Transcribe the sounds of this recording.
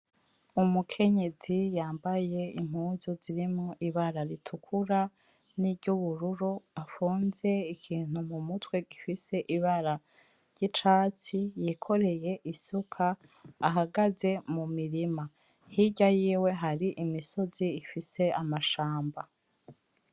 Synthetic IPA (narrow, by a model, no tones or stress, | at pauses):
umukʰe̞ɲe̞zijaːmbaje̞ḭm̥huːzoziɾimŋo̞ʔiβaɾaɾitʰukʰuɾa | niɾɟuβuɾuɾoafuːnze̞ikʰiːn̥humumutwe̞ɡifise̞ʔiβaɾa | ɾɟ̥it͡ʃaːt͡sijiːkʰo̞ɾe̞je̞ʔisukʰaː | ɦaɡaze̞mumiɾima | hiɟajiːwe̞ɦaɾiʔimiso̞ziːfise̞amaʃaːmba